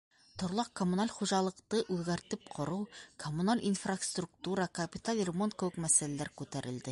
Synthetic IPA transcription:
t̪ŏɾlˠɑq̚komunalʲχuʑɑlˠɤ̆qt̪ɤʔʉðɡæɾt̪ɘp̚qʰŏɾɤwkʰomunalʲʔinfrast̪ruk̚t̪uɾɑkɐpʲɪt̪alʲrʲmont̪kɘ̆wɘkmæsælælæɾkʉt̪æɾɘ̆ld̪ɘ

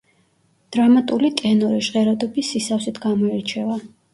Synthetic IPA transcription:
d̪̥ɾamat̪ʼulit̪ʼɛnɔɾiʒʁɛɾad̪ɔbisːisafsit̪ʰɡamɔɛɾt͡ʃʰɛva

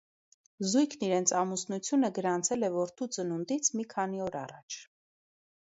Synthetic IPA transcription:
zujkʰniɾɛnt͡sʰɑmusnut͡sʰjunəɡəɾɑnt͡sʰɛlɛvɔɾt̪ʰut͡sənund̪it͡sʰmikʰɑniɔɾɑ̰rɑt͡ʃʰ

